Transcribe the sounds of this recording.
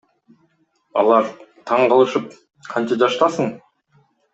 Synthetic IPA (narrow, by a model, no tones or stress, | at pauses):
ɑ̰lˠɑɾt̪ʰɑɴqɑlˠɯʃəp̚ | qʰɑnt͡ʃɑd͡ʒɑʃt̪ɑsəɴ